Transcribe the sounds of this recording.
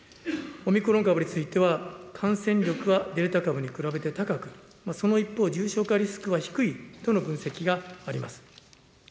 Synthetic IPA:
o̞mʲikoɾoŋkabɯ̟ɲ̟it͡sɨit̪e̞βakʰãɰ̃sẽ̞ɲɾʲo̞kɯ̟βad̪e̞ɾɯ̟t̪akabɯ̟ɲ̟ikɯ̟ɾabe̞t̪e̞t̪akakɯ̟̥ | maso̞no̞ipːo̞ːʑɨːɕo̞ːkaɾʲisɨ̥kɯ̟βaçi̥kɯ̟it̪o̞no̞bɯ̟̃ɰ̃se̞kʲiɡaːɾʲima̰sɨ̥

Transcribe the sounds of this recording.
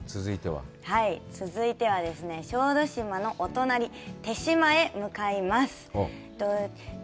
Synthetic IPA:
t͡sɨzɨit̪e̞βa̰ | hait͡sɨzɨit̪e̞β̞ad̪e̞sɨne̞ɕo̞ːd̪o̞ɕimano̞ʔot̪o̞naɾʲit̪e̞ɕimae̞mɯ̟kaimasɨ̥ | t̪o

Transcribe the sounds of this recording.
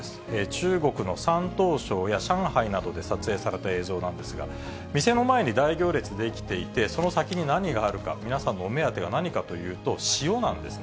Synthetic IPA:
sɨ̥et͡ɕɨːɡo̞kɯ̟no̞sãnt̪o̞ːɕo̞ːjaɕãɰ̃hainad̪o̞d̪e̞sat͡sɨe̞ːsaɾe̞t̪ae̞ːzo̞ːnãnd̪e̞sɨɡa̰ | mʲise̞no̞mae̞ɲ̟id̪aiɡʲo̞ːɾet͡sɨd̪e̞ikʲi̥t̪e̞it̪e̞so̞no̞sakʲiɲ̟inaɲ̟iɡaːɾɯ̟ka̰mʲinasãnːo̞ːme̞at̪e̞ɡanaɲ̟ikat̪o̞jɯ̟ːt̪o̞ɕijo̞nã̰nd̪e̞sɨ̥

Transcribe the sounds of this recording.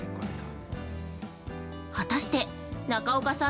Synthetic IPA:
hat̪aɕi̥t̪e̞ | nakaokasã

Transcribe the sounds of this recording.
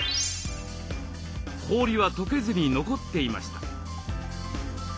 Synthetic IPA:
hoːɾʲiβat̪o̞ke̞zɨɲ̟ino̞ko̞t̪ːe̞ima̰ɕi̥t̪ḁ̰

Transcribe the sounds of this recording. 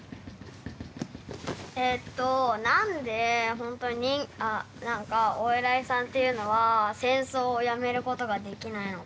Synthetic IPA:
e̞t̪ːo̞nãnd̪e̞ɦõ̞nt̪o̞ɲ̟ia | nãŋkaoeɾaisãnt̪e̞jɯ̟no̞βasẽ̞ɰ̃so̞ːjame̞ɾɯ̟ko̞t̪o̞ɡad̪e̞kʲinaino̞

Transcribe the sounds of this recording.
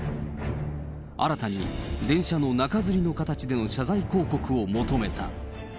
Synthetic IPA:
a̰ɾat̪aɲ̟ḭd̪ẽ̞ɰ̃ɕano̞nakazɨɾʲino̞kat̪at͡ɕid̪e̞no̞ɕazaiko̞ːko̞kɯ̟o̞mo̞t̪o̞me̞t̪a̰

